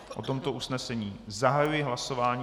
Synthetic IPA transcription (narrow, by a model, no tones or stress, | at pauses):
ʔot̪o̞mt̪o̞ʔusnɛsɛɲiːzaɦajujɪɦlaso̞vaːɲ